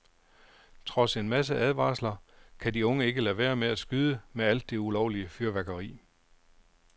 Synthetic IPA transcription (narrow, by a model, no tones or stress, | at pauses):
t͡sʰʁɒ̽se̝nmæs̬əʔæð̞ˠʋɑ̈ːslɐkʰædiɔ̽ŋəe̝ɡ̥əlæʋæːɐmeæsɡ̥yðˠəmeæl̰d̥ːeulɒʊliəfyɐʋæɡ̥ɐʁḭː